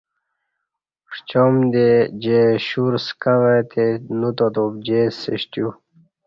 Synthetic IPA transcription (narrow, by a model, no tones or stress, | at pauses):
ʂt͡ɕomd̪ed͡ʑeɕuɾskaʋet̪ʰenut̪ot̪op̚d͡ʑeseɕt̪ju